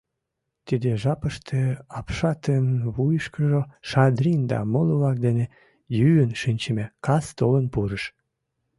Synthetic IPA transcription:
t̪id̪eʒɑpəʃt̪ʰeɑpʃɑt̪enβujəʃkəʒoʃɑd̪rʲind̪ɑ̰moloβlɑk̚d̪ene | jyənʃinʲt͡ɕəmekɑst̪olənpuɾəʃ

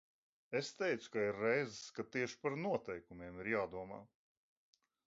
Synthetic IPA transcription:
est̪ɛjt̪su̥kaiɾːɛjzɨskat̪iɛʃpaɾnuɔt̪ɛjkumiɛmiɾjaːd̪uɔma̰ː

